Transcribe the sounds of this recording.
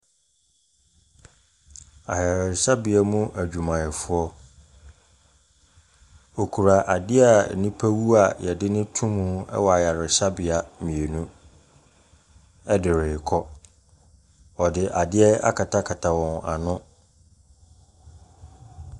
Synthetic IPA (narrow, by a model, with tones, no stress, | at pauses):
a̰˨ja˨ɾɪ˨sa˦bɪ˨a˨mũ˦ʔæ˨d͡ʑᶣu˨mã˨ɛ˨fʊ˦ɔ˦ | o˨kʰu˨ɾa˨ʔa˨dɪ˦a˦˨nĩ˦pʰæ˦wu˦a˨jɛ˨dɪ˦nɪ̃˦tʰũ˦mũ˦ɛ̰˦wɔ˨a˨ja˨ɾɪ˨ɕa˦bɪ˨a˨mĩ˨e˨nũ˦ | ɛ˦dɪ˨ɾɪː˨kʰɔ˦ | ɔ˨dɪ˨ʔa˨dɪ˦ɛ˦a̰˦kʰa˨tʰa˦kʰa˨tʰa˨wɔ̃˨na̰˨nʊ̃˦